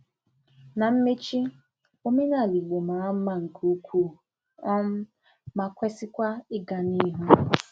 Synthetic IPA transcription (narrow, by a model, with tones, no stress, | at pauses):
na˨m̩˦me˦t͡ʃi˦ | o˦me˦na˦˨li˨ɡ͡bo˨ma˨˦ma˦ŋ̩˨kʰu˦kʷu˦˨ | ɔ˦m̩˦ | ma˨kʷe˦sɪ˦kʷa˦ɪ˦ɡa˨ni˦ɦu˦